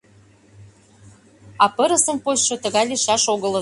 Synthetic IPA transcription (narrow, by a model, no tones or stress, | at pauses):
ɑpəɾə̆sə̆mposʃot̪ə̆ɣɑjliʃɑʃoɣə̆lə̆